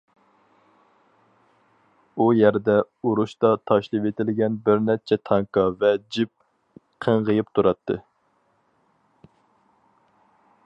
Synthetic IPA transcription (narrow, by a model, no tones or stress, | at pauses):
ujæɾd̪ɛ | uɾuʃt̪ɑt̪ʰɑʃlˠɨvet̪ʰɪlɪɡʲɛnbɪɾnɛt͡ʃʰɛt̪ʰɑŋkɑvɛd͡ʒip̚ | qʰəŋʁəjip̚t̪ʰuɾɑt̪ʰːɨ̰